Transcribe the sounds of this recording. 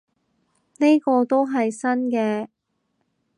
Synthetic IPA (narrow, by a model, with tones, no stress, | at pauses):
ne˥jkɔː˧t̪o˥wɦɐ˨jsɐ˥nkɛː˧